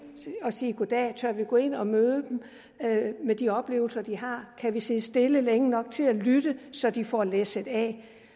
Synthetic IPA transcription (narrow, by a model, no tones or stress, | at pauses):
ɒ̽siːɡ̥od̥ɛːt͡sʰɶɐʋiɡ̥ɔe̝n̰ɒ̽møːðˠd̥em | med̥iɒ̽b̥le̝̰ːʊl̩sɐd̥iɦɑ̈ːkʰæʋise̝sd̥e̝ləleŋənɒ̽ɡ̥̚t͡sʰe̝lælyd̥əsɒ̽d̥ifɒ̰lese̝d̥ɛː